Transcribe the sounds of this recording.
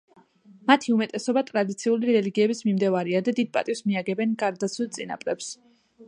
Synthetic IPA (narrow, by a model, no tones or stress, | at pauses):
mat̪ʰiumɛt̪ʼɛsɔbat̪ʼɾad̪it̪sʰiuliɾɛliɡiɛbismimd̪ɛvaɾiad̪ad̪id̪̚pʼa̰t̪ʼifsmiaɡɛbɛnɡaɾd̪asʰwit̪sʼina̰pʼɾɛps